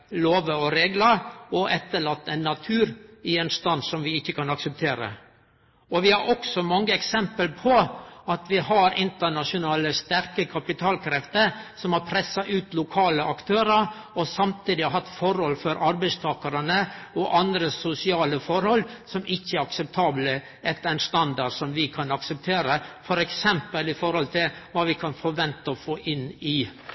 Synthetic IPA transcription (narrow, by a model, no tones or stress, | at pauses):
loːʋəɔɾeːɡləɾɔʔɛt̪ːəɭɑt̪ːɛɪnːɑt̪ʰʉːɾɪɛeːnst̪ɑnsɔmʋɪɪçːəkʰɑnɑksəp̚t̪ʰeːɾə̰ | ɔʋɪhæɾʔɔksɔmɑŋːəɛksɛmpəlpʰɔɑt̪ʋɪhɑɾɪnt̪əɳɑʂʊnɑːləst̪æɾkəkʰɑpɪt̪ʰɑːlkʰɾɛft̪əɾsɔmhɑpʰɾɛsːɑʔʉːt̪lʊkʰɑːləʔɑkt̪ʰøːɾəɾ | ɔsɑmt̪ʰiːd̪ɪhɑɦɑt̪ːfɔɾhɔlfɔɾʔɑɾbæɪst̪ʰɑːkəɾənə | ɔʔɑnd̪ɾəsʊsɪɑːləfɔɾhɔlsɔmʔɪçːəæɾɑksɛp̚t̪ʰɑːblə | ɛt̪æɪnst̪ɑnd̪ɑɖsɔmʋɪkʰɑnɑksəp̚t̪ʰeːɾəfɔɾɛksɛmpəlɪfɔɾhɔlt̪ʰɪlʋɑːʋɪkʰɑnfɔɾʋɛnt̪əɔfoːʔɪnɪ